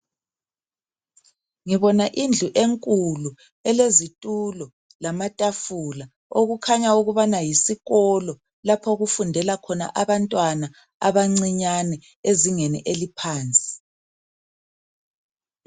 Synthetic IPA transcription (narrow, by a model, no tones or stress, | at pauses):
ŋiβɔnaʔind͡ɮʱuʔeŋkʼulu | ɛlezitʼulɔ | lamatʼafula | oɣukʰaɲauɣuβanajisiɣɔlɔ | lapʰɔɣufundʱɛlakʰɔna̰ʔaβantʼwana | aβaŋ͡ǀiɲanɛ | eziŋɛnɛ̰ʔelipʰaːnt͡sʼi̥